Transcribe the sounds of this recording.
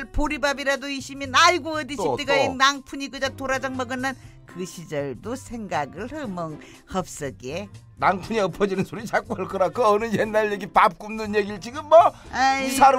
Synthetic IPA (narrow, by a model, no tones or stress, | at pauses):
ɭpoɾibabiɾadoiɕʰimjʌnaiɡoʌdiɕɕʰipt̪͈eɡainnaŋpʰuɲikɯd͡ʑatoɾad͡ʑaŋmʌɡɯnːan | kɯɕʰid͡ʑʌɭdosʰe̞ŋɡaɡɯɭhɯmʌŋ | hʌp̚s͈ɯɡe | naŋpʰuɲiʌpʰʌd͡ʑinɯnsʰoɾit͡ɕak͈uaɭk͈ʰʌɾak͈ʰoʌnɯjenːaɭjeɡipap̚k͈umnɯnjeɡiɭt͡ɕiɡɯmːʌisʰaɾ